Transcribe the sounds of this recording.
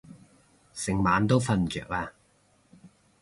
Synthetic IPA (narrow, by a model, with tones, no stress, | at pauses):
sɪ˨˩ŋmaː˨˧nt̪o˥wfɐ˧nt͡ʃœ̰ː˨k̚aː˧